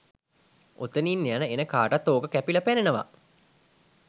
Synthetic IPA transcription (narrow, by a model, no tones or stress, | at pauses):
ʔo̰t̪əniːnːejanəenəkaːʈat̪ːoːɡəkæpilɐpenenəʋa̰